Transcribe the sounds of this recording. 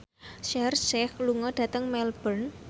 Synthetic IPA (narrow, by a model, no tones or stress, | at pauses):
ʃɛrʃɛhluŋɔɖ̥ä̤t̪əŋmɛlb̥ən